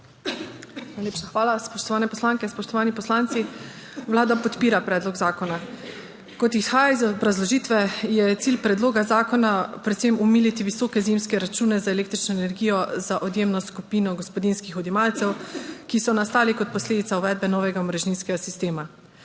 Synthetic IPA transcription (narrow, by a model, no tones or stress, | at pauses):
najleːpʃaxʋaːlaspɔʃt̪ɔʋaːnɛpɔslaːŋkɛspɔʃt̪ɔʋaːnipɔslant̪si | ʋlaːd̪apɔt̪piːɾapɾɛːd̪lɔɡzaːkɔna | kɔt̪isxaːjaizɔbɾazlɔʒit̪ʋɛjɛt̪siːlpɾɛd̪loːɡazaːkɔnapɾɛt̪semumiːlit̪iʋisɔːkɛzimskɛɾat͡ʃuːnɛzaeleːk̚t̪ɾit͡ʃnɔenɛɾɡijɔzaʔɔd̪jeːmnɔskupiːnɔɡɔspɔd̪inskixɔd̪jɛmalt̪sɛwkisɔnast̪aːlikɔt̪̚pɔsleːd̪it̪sauʋɛːd̪̚bɛnɔːʋɛɡamɔɾɛʒninskɛɡasist̪eːma